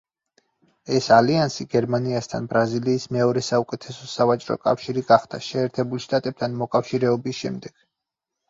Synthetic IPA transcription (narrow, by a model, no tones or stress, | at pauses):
ɛsaliansiɡɛɾmaniast̪ʰa̰nbɾaziliːsmɛɔɾɛsaukʼɛt̪ʰɛsɔsavat͡ʃʼɾɔ̰kʼafʃiɾiɡaχd̪̥a̰ʃɛːɾt̪ʰɛbulˠʃt̪ʼat̪ʼɛp̚t̪ʰanmɔkʼafʃiɾɛɔbisʃɛ̰md̪ɛɡ̥